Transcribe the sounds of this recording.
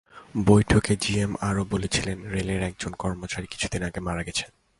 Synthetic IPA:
bojʈʰoked͡ʑiemaɾobolet͡ɕʰilenɾeleɾɛk̚d͡ʑonkɔɾmot͡ɕaɾiki̥t͡ɕʰu̥d̪inaɡemaɾaɡɛt͡ɕʰen

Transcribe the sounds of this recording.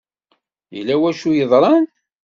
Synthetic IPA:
jəlːæwæʃujəðˤɾˤɑn

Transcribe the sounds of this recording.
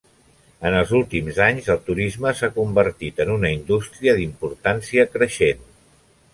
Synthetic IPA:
ənəlˠzulˠt̪imzaɲzəlˠt̪uɾizməsakumbəɾt̪it̪ənunəind̪ust̪ɾiəðimpuɾt̪ansiəkɾəʃen

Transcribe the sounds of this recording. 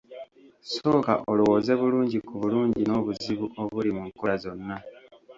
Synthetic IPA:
so̞ːka̰ʔo̞luwo̞ːze̞βuluːɲɟikuβuluːɲɟino̞ːβuziβuʔo̞βulimuŋkoɾazo̞nːa

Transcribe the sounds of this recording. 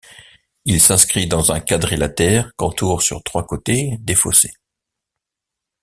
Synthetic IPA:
ilsɛ̃skχid̪ɑ̃zɛ̃kad̪ʁelat̪ɛːʁkɔ̃t̪uʁsy̰ʁt̪χwakot̪ed̪efo̰se

